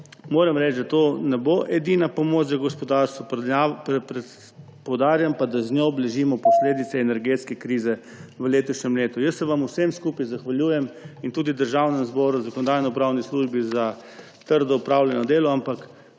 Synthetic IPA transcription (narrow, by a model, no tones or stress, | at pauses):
moːɾɛmɾɛt͡ʃd̪at̪oːnɛboʔɛd̪inapɔmoːt͡ʃzaɡɔspɔd̪aɾst̪ʋɔpɛpɾɛ | pɔwd̪aːɾjampad̪aznʲjoblɛʒiːmɔpɔsleːd̪it̪sɛːnɛɾɡeːt̪skɛkɾiːzɛ | ʋəleːt̪uʃnʲɛmleːt̪ujəsːɛʋamuwsemskuːpajzaxʋalʲjuːjɛmint̪uːd̪id̪əɾʒawnɛmzbɔːɾuzakɔnɔd̪aːjnɛɔupɾawnisluːʒbiza | t̪əɾd̪ɔupɾaːwljɛnɔd̪eːlɔampak